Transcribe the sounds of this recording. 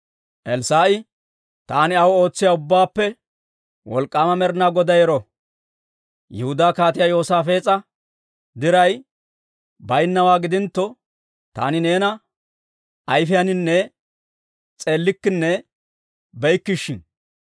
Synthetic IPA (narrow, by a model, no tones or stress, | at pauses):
ʔɛlsaːʔɪ | t̪aːnɪɐwo̞ːt͡sːɪjaʊbːaːpːɛ | wɔ̰lkʼːaːmɐmɛɾnaːɡɔd̪ɐjɛɾɔ | jɛhʊd̪aːkaːt̪ɪjajo̞ːsaːfeːt͡sʼɐ | d̪ɪɾɐj | bɐjnːɐwaːɡɪd̪ɪnt̪ːɔ | t̪a̰ːnɪne̞ːnɐ | ʔɐjfɪjɐnɪnːɛ | t͡sʼe̞ːlːɪkːɪnːɛ | bɛjkːɪʃːɪn